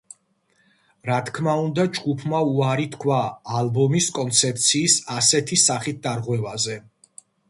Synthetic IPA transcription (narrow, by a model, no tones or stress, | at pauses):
ɾat̪ʰkʰmaund̪ad͡ʒɡupʰmauaɾit̪ʰkʰwaːlbɔmiskʼɔnt̪sʰɛp̚t̪sʰiːsasɛt̪ʰisaχit̪̚d̪aɾʁwɛvazɛ